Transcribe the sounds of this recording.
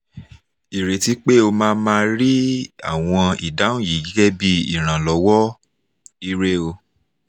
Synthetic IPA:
i˨ɾe˨ti˨˦k͡pe˦o˧mãː˦mãː˧ɾi˦a˦˨w̃ɔ̃˧i˨da˨˦ũ˦˨ji˨˦ɡi˦ɡɛ˦bi˦ḭ˦˨ɾ̃ã˨lɔ˨˦wɔ˦ | i˧ɾe˦o˧

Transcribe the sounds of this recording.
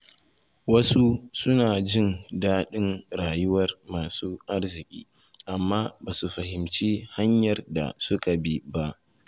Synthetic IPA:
wɐ˦su˦sʊ˦naː˨d͡ʒɪ˦ndaː˦ɗɪ˦nɽaː˨jʊ˦wɐ˦rmaː˨suː˦ʔa˦rzɪ˨kʲʼḭː˦ | ʔa˨mːaː˦baː˨su˨ɸɐ˨hɪ˨mt͡ʃiː˦ha˦ɲjɐ˨rda̰˨sʊ˦ka˨bi˦ba˦ʔ

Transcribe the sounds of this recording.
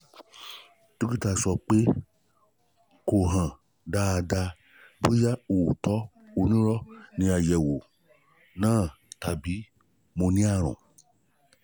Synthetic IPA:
tu˦ki˦ta˨sɔ˨k͡pe˦ | ko˨ɦã˨ | da˧˨da˧ | bu˦ja˦u˨tɔ˦ | o˨nĩ˦ɾɔ˦nĩ˧a˨jɛ˨wo˨ | nãː˦˨ta˨bi˨˦ | mõ˧nĩ˦a˦˨ɾ̃ṵ̃˨

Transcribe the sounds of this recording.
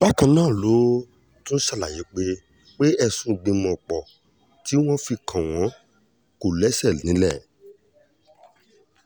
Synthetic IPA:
ba˦kã˧nãː˦˨lo˨˦ | tũ˦n̩˦ʃa˦˨la˨je˨˦k͡pe˧ | k͡pe˦ɛ˧sũ˧ɡ͡bĩ˧mɔ̃˨k͡pɔ˨ | ti˨˦w̃ɔ̃˦fi˧kʰã˨w̃ɔ̃˨˦ | ko˨lɛ˨˦sɛ˦˨nĩ˨˦lɛ˦˨

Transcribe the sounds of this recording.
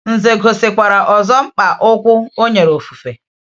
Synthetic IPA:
n̩˨ze˨ɡʱo˨se˨kʷa˨ɾa˨ʔɔ˨zɔ˦ŋ͡m̩˦k͡pa˨ʔʊ˦kʷʊ˦o˦ɲe˨ɾo˨fu̥˨fe˨

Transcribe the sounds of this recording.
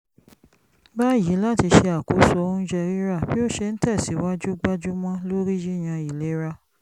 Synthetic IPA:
ba˦˨ji˨˦la˦˨ti˧ʃe˧a˨ko˨˦sɔ˧˦˧ũ˦d͡ʒɛ˧˨ɾi˦ɾa˦˨bi˦o˦˨ʃe˧n̩˦tɛ˦˨si˨˦wa˦d͡ʒu˦ɡ͡ba˦d͡ʒu˦mɔ̃˦lo˦ɾi˦d͡ʒi˦˨j̃ã˧i˨le˨˦ɾa˦

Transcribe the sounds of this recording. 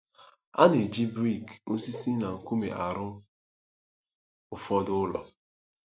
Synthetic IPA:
a̰˦ne˨d͡ʒi˦bɾi˦˨ɡo˦si˦si˦na˨ŋ̩˨ku˦mḛ˨ʔa˨ɾʊ˦ | ʊ˨fɔ˦dʊ˦lɔ̰˨

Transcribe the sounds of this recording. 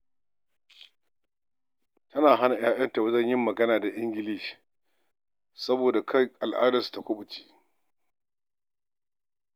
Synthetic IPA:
tɐ˦naː˨ɦa˦na˨j̰aː˦jʔɐ˦nta˨wzɐ˦˨ɲjɪ˦mːɐ˨ɡɐ˦naː˨da˨ʔɪ˦ŋɡʲɪ˨li˦ʃ | sɐ˦boː˨da˨kʰa˦jʔa˨lʔa̰ː˦dɐ˨sta˨kʷʊ˦ɓʊ˨t͡ʃi̥ː˦

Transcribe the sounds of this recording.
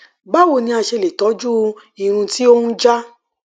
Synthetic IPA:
ba˦wo˦˨nĩ˧a˧ʃe˧le˨tɔ˨˦d͡ʒu˦ | i˨ɾ̃ũ˧ti˦o˦hũ˦d͡ʒa˦

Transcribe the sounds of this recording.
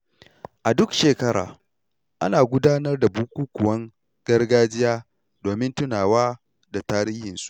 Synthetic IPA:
ʔa˨dʊ˦kʃeː˨kɐ˦ɽa̰ː˨ | ʔa̰˦naː˨ɡʷʊ˦daː˦nɐ˦rda˨buː˦kʷʼuː˦kʷʊ˨wɐ˦ŋ | ɡ̥ɐ˦rɡaː˦d͡ʒɪ˦jaː˦ | doː˨mɪ˦ntʊ˦naː˨waː˦ | da˨taː˦ɾiː˦hɪ˨nsu̥˦ʔ

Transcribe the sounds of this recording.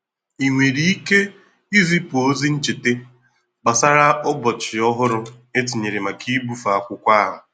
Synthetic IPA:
i˨ŋʷe˨ɾi˨i˦ke˦ | i˦zi˦po˦zi˦n̩˦t͡ʃi˨te˦ | ɡ͡ba˨sa˦ɾa˦ɔ˦bɔ˨t͡ʃɪ˨ɔ˦ɦʊ˦ɾʊ˦ | e˦t̬i˨ɲe˨ɾe˨ma˨kʰi˦bu˦fa˨a˨kʷʊ˦kʷa˦ɦʊ˨

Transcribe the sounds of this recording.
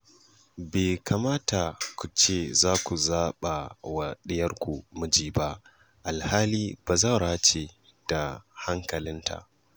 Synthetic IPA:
beː˨ka˨maː˦ta˨kʷu˨t͡ʃeː˦˨zaː˦kʷu˨zaː˦ɓa˨wɐ˨ɗɪ˦jɐ˦rkʷu˨mʊ˦d͡ʒiː˦ba˦ʔ | ʔa˨lhaː˦liː˦b̥aː˨zɐ˦ɾa˦t͡ʃe˨ | d̥a˨ha˦ŋkɐ˨lɪ˦ntʰa̰˨ʔ

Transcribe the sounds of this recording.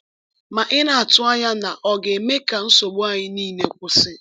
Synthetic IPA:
ma˨ʔɪ˦na˨a˨tʊ˦a˦ɲa˦na˨ʔɔ˨ɡe˨me˦ka˨n̩˦so˨ɡ͡bo˦a˨ɲɪ˦niː˦˨ne˨kʷʊ˨sɪ˦

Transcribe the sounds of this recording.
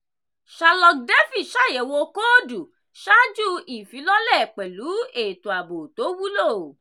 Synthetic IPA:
ʃa˧lɔ˧k̚de˦fi˦˨ʃa˦˨je˨wo˧ko˦du˨ | ʃa˦d͡ʒu˦i˨fĩ˨˦lɔ˦lɛ˦˨k͡pɛ˨lu˨˦e˨tu˨a˨bo˨to˨˦wu˦lo˦˨

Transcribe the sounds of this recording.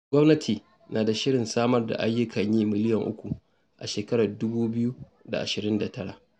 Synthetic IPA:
ɡʷɔ˦mnɐ˦tʰiː˨ | naː˨da˨ʃɪ˦ɽɪ˨nsaː˦mɐ˦rda̰˨ʔa˦jːʊ˦kʰɐ˨ɲjiː˦mɪ˦lɪ˦jɐ˨ŋʔʊ̰˦kʷu˨ | ʔa̰˨ʃeː˨kɐ˦ɽaː˨dʊ˦buː˦bɪ˦ju˦ | da̰˨ʔa˨ʃɪ˨ɾɪ˦nda˨tɐ˦ɽa̰˨ʔ

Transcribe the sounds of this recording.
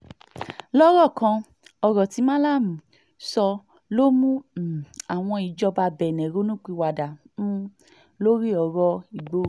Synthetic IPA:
lɔ˦ɾɔ˦˨kã˧ | ɔ˧ɾɔ˨ti˨˦mã˦la˦˨m˨ | sɔ˧ | lo˦mũ˦˨ | a˨w̃ɔ̃˧i˨d͡ʒɔ˧ba˧bɛ˨nɛ̃˨ɾo˨˦nũ˦˨k͡pi˧wa˨dã˨˦ | lo˦ɾi˦ɔ˨˧ɾɔ˧i˨ɡ͡bo˧˦

